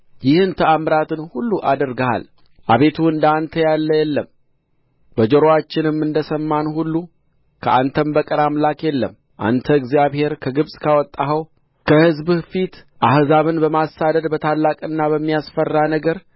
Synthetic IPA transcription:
jɪhɨnt̪ʰəamɾat̪ɨnhulːuʔad̪əɾɡəha̰l | ʔaβe̞t̪ʰuɨnd̪ant̪ʰəjalːəjɛlːəm | bəd͡ʒəɾowat͡ʃːɪnɨmːɨnd̪əsəmːanhulːu | kʰəʔant̪ʰəmbəkʼəɾamlakjɛlːə̰m | ʔa̰nt̪ʰəɨɡzijaβhe̞ɾkʰəɡɨβsʼkʰawɔt̪ʼːaɦəw | kʰəhɨzbfit̪ʔahzaβɨnbəmasad̪əd̪bət̪ʰalːakʼɨnːaβəmːijasfərːanəɡəɾ

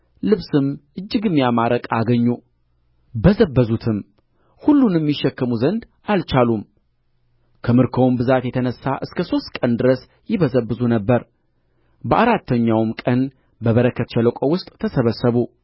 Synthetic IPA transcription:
lɨβsɨmʔɨd͡ʒːɨɡɨmːjamaɾəkʼaɡəɲːu | bəzəbːəzut̪ʰɨm | hulːunɛmːiʃːɛkːəmuzənd̪ | ʔalt͡ʃalum | kʰəmɨɾkʰowmbɨzat̪jɛt̪ʰənəsːaʔɨskʰəso̞st̪̚kʼənd̪ɨɾəs | jɪβəzəbːɨzunəbːəɾ | bəʔaɾat̪ʰːəɲːawmkʼən | bəβəɾəkʰːət̪t͡ʃɛləkʼowʊst̪ʼʰːəsəβəsːəβu

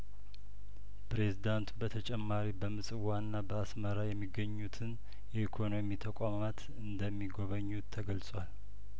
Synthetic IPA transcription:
pɾe̞zid̪ant̪ubət̪ʰət͡ʃʼɛmːaɾibəmɨsʼɨwanːabəasməɾajɛmːiɡːəɲːut̪ʰɨn | jɛikʰo̞no̞mit̪ʰəkʷʼamat̪ʰ | ɨnd̪əmːiɡo̞βəɲːut̪ʰːəɡəlsʼwal

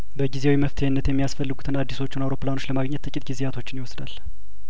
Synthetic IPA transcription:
bəɡizewiməft̪ʰəjnːət̪jɛmːijasfəlːɨɡut̪ʰɨnad̪ːiso̞t͡ʃːɪnawɾo̞planot͡ʃləmaɡɲːɛt̪ːɨkʼɪt̪ɡizeat̪ʰo̞t͡ʃːɪnjɪwɔsd̪al

